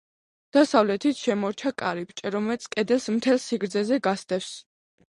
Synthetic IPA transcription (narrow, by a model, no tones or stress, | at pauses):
d̪̥asavlɛt̪ʰit̪ʰʃɛmɔɾt͡ʃʰakʼaɾipʰt͡ʃʼɛɾɔmɛlt̪sʰkʼɛd̪ɛlˠsmt̪ʰɛlˠsiɡɾd̪zɛzɛɡast̪ʼɛfs